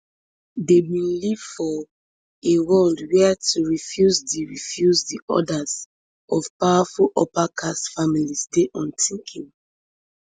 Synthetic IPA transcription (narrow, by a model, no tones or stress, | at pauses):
debĩnliv̥fɔ | ewɔldwɛatuɹifjuzdiɹifjuzdiʔɔ̰daz | ʔɔvpawafulʔɔpakʰasfamilisdeʔɔ̃ntĩŋkʰĩŋ